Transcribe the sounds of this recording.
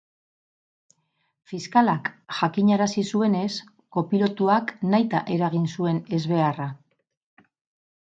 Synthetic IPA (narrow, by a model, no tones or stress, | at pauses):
fiskalakʝakiɲaɾasisue̞ne̞s | ko̞pilo̞t̪uaknajt̪a̰ʔe̞ɾaɣ̞insue̞ne̞zβe̞ara